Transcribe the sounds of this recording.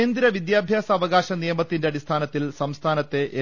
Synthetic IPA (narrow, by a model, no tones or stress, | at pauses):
nd̪ɾɐʋid̪jaːbʱjaːsɐːʋɐɣaːɕɐnijɐmɐt̪ːinde̞ɐɽist̪ʰaːnɐt̪ːilsɐmst̪ʰaːnɐt̪ːe̞ʔe